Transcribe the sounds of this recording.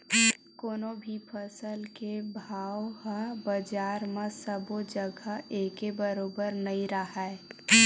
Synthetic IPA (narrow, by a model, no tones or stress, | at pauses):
koːnobʱipʰəsəlkebʱaːwɦəbəd͡ʒaːɾmẽsəbod͡ʒəɡʱaeːkebəɾoːbəɾnəĩɾəɦae